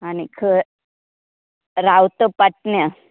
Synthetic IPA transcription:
anikʰə | ɾawt̪əpaʈ̚njã

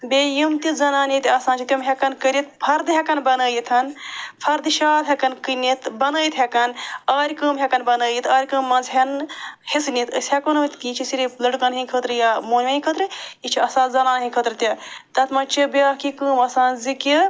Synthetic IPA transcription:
bejimt̪izɐnaːnit̪ʲiɐsaːnt͡ʃʰit̪jimɦʲɐkɐnkəɾʲit̪pʰɐɾd̪ɦʲɛkɐnbɐnəːjit̪ʰɐnpʰɐɾd̪ɨʃaːt̪ɦʲɐkɐnkɨnit̪bɐnəːjit̪ɦekɐnaːɾʲkəːmɦʲɛkɐnbɐnəːjit̪ʰaːɾʲkəːmːɐnzɦɐnhisnit̪əsʲhekɐnɐt̪kiːt͡ʃʰisiɾilɐɖkɐnɦĩkʰət̪ɾɨjaːmoːnʲɐĩkʰət̪ɾɨit͡ʃʰiɐsãːzɐnaːnɦĩkʰət̪ɾɨt̪ʲit̪ɐt̪ʰmɐt͡ʃʰibiakikəːmɐsãːnziki

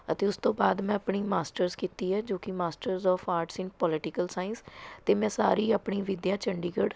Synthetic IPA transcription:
ət̪eːʊst̪õːbaːd̪mɛ̃ːəpɳiːmaːsʈəɾzkiːt̪iːɦɛːd͡ʒoːkɪmaːsʈəɾzɔːfʰaːɾʈsɪ̃npɔːlɪʈɪkəlsaːɪnst̪eːmɛ̃ːsaːɾiːəpɳiːʋɪd̪jãːt͡ʃəɳɖiːɡəɖ

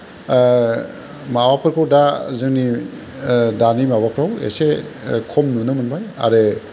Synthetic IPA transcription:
mawapʰɯɾkʰɔɾdazɯŋni | danimabapʰɾawḛsekʰɔmnɯnɯmɯnbaja̰ɾe

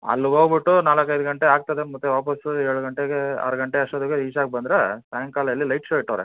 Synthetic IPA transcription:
ɐ̰lːuɡoːɡbiʈːunaːlɐkːɐjd̪uɡɐɳʈeaːɡ̚t̪ɐd̪emɐt̪ːuʋaːpɐsuɛɾɭuɡɐɳʈeɡeɐ̰ɾɐɡɐɳʈeɐʂʈod̪uɡeiːt͡ʃaːɡ̚bɐnd̪ɾesaːŋkaːlɐɐlːilɐjʈʃoːiʈːɐːɾḛ

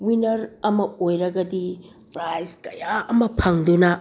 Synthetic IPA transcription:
winɐɾɐmɐojɾɐɡɐdi | pɾajskɐjaɐmɐpʰɐŋdunɐ

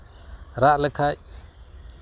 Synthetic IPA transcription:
ɾaʔləkʰaj

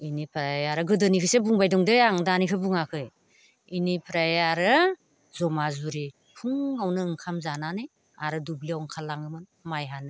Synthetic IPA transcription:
inipʰɾajaɾɯɡɯdɯnikʰɯsebuŋbajdɔŋdɯjaŋdanikʰɯbuŋakʰɯj | inipʰɾajaɾɯ | zɔmazuɾi | pʰuŋːawnɯɯŋkʰamzananɯj | aɾɯdubliawŋkʰalːaŋɯmɯnmajɦanɯ

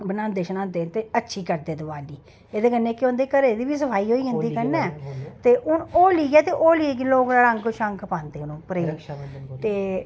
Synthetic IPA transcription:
bənãːnd̪eːʃənãːnd̪eːt̪eːətːʃʰiːkəɾd̪eːd̪əbaːliː | eːd̪eːkənːeːkɪõːnd̪eːkəɾeːd̪iːʋiːsəpʰaːiːɦoːiːd͡ʒə̃ːnd̪iːkənɛːt̪eːʔʊnoːliːɡɛːt̪eːʔoːliːeːɡɪloːɡnaːlə̃ŋkʃəŋkʰpãːnd̪eːnõːpəɾet̪eː

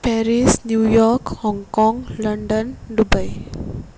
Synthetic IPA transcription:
pɛɾisnjujɔkhɔ̃ŋkɔ̃ŋləɳɖənɖubaj

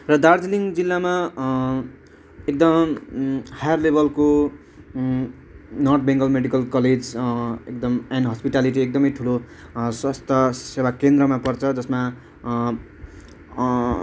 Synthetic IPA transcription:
rʌd̪ard͡ziliŋd͡zilːama | ek̚d̪ʌm | hajarlebʱʌlko | nʌrt̪̚ʰbẽŋɡʌlmeɽikʌlkʌled͡zek̚d̪ʌmanɖɦʌspiʈaliʈ̬iek̚d̪ʌmʌjʈʰulo | swʌst̪ʰʌsewakend̪rʌmapʌrt͡sʰʌd͡zʌsma

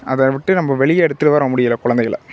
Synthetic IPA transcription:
ɐðɐʋɪʈːɯnɐmːɐʋɛɭɪjɐɛɽɯt̪ːɯɾɯʋɐːɾõːmʊɽɪjɪlɐkʊɻɐnd̪ɐɪɣɐɭɐ̰

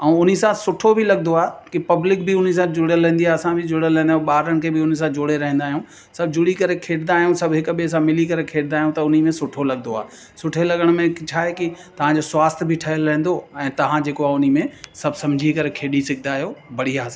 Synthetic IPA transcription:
ɛ̃ːʊnisãsʊʈʰobʱɪlɐɠnd̪oaːɦkipɐblɪkbʱɪʊnis̬ãd͡ʑʊɽəlɛ̃ẽnd̪iaːɐsãbʱɪd͡ʑʊɽəlɦɛ̃nd̪aːjũɓaːɾəɽ̃̆kʰeːbʱɪʊnis̬ãd͡ʑʊɽeɾɐɦɛ̃nd̪aːɦijũː | sɐbʱd͡ʑʊɽikɐɾekʰeːɽnaːɦijũsɐbʱɦɪkɓes̬ãmɪlikɐɾekʰeːɽɪ̃naːɦijũt̪ɐʊnimẽsʊʈʰolɐɡ̚noa̰ː | sʊʈʰelɐɠəɽ̃mẽt͡ɕʰaːɦekit̪ɐʋ̤ãd͡ʑoːswaːst̪ʰbʱɪʈʰɐɦəlɾɐ̃ɦn̆d̪oɛ̃ːt̪ɐʋ̤ãd͡ʑeːkoaːʊnimẽsɐbʱsɐ̃md͡ʑʱikɐɾekʰeːɗisɪɡ̚ʰnaːɦijoːbɐɽiaːsã

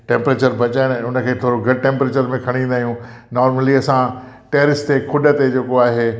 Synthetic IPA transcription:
ʈẽːmpɾeːt͡ɕəɾbʱɐt͡ɕaːɪɽ̃ʊnəkʰeːt̪ʰoːɾoɡʱɐɽʈẽːmpɾeːt͡ɕəɾmẽkʰɐɽ̃ĩnd̪aːɦijũ | nɔːɾməliɐsã | ʈeːɾɪst̪ekʰʊɗə̆t̪ed͡ʑeːkoaːɦeː

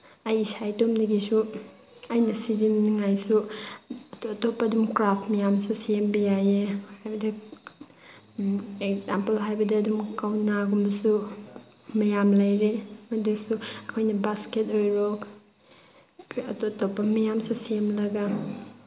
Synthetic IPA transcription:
ɐjisajtomdɐɡisu | ɐjnɐsidinniŋajsu | ɐtotopːɐːdumkɾaptmɐjamsusembijajehhajbɐdɐ | ek̚zampelɦajbɐdɐɐdumkawnaɡumbɐsu | mɐjamlɐjɾemɐdusuɐkʰojnɐbasketojɾok | ɐ̰totopːɐmɐjamsusemlɐɡa

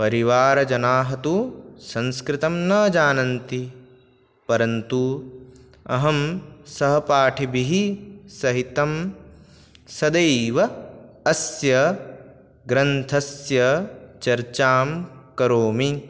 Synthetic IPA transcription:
pɐɾiʋaːɾɐd͡ʒɐnaːɦɐt̪usɐ̃nskɾɪt̪ɐmnɐːd͡ʒaːnɐnt̪i | pɐɾɐnt̪u | ɐ̰ɦɐmsɐɦɐpaːʈʰibiɦisɐɦit̪ɐm | sɐd̪ɐjʋɐː | sjɐ | ɡɾɐnt̪ʰɐsjɐt͡ʃɐɾt͡ʃaːmkɐɾoːmi

